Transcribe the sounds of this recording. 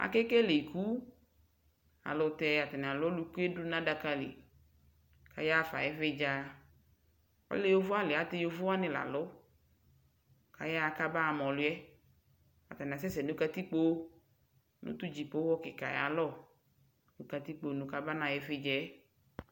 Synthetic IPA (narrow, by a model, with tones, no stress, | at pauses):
a̰˨kɛ˦kɛ˦le˨ku˦ | a̰˨lɔ˨t̪ɛ˨a˨t̪a˨n˨a˨lʊ˦ɔ˦lu˧ku˦e˦du˦nã˦da˧ka˧lḭ˨ | ka̰˨˦ja˦fa̰˨jɛ˨˦fe˦d͡ʒa˨˧ | ɔ̰˦le˦jo˦vʊ˦a˦lɪ˨a˦t̪ɪ˦jo˧vʊ˦a˦nɪ̃˨la̰˨lɔ˨˦ | ka̰˨ja˦˨ka˦ba˦a˨mɔ̃˨lʊ˦ɛ˦ | a̰˨t̪a˨n˨a˨s̬ɛ˦sɛ˨nũ˦ka˧t̪i˦k͡po˦ | nṵ˦t̪u˦d͡ʒi˨po˨˦ɔ˦kɪ˨ka̰˨j̰a̰˨lɔ˦˨ | nu˦ka˧t̪i˦k͡po˦˨nũ˨ka˦ba˦nã˨jɛ˨˦fɪ˦d͡ʒɛ˦